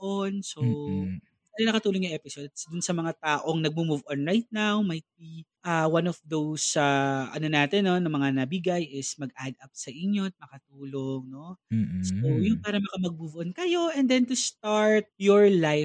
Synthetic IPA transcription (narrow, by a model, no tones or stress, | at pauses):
ʔonso | t̪alɐnɐkɐt̪uːloŋjʊʔɛpɪsod̪sd̪ʊnsɐmɐŋat̪aːʔoŋnɐɡ̚mumuvʔonɹajt̪̚nawmɐjt̪̚biʔawanɔfd̪owsɐʔɐ̰no̞naːt̪ɛnːo̞nɐmɐŋanɐbiɡajʔɪsmɐɡʔad̪ɐp̚sɐʔɪɲjo̞t̪̚mɐkɐt̪uːloŋno̞sojʊnpaːɾɐmɐkɐmɐɡ̚buvʔonkɐjo̞ʔɛnd̪ɛnt̪ust̪aɹt̪̚jɔɹlaj